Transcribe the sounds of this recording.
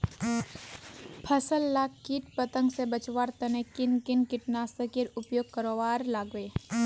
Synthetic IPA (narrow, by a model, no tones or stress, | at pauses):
pʰəsəlːaːkːiːʈ̚pət̪ə̃ŋɡsebət͡ʃʋaːɾt̪ɐnekɪnkɪnkɪʈnaːsəkiɾʊpjoːɡ̚kəɾoːʋaːɾlaːɡʋeː